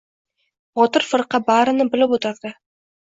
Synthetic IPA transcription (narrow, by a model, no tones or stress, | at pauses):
bɒt̪ɪɾfɨɾqɑbaɾɪnɪbɪlɪpot̪ʰaɾd̪̥ɪ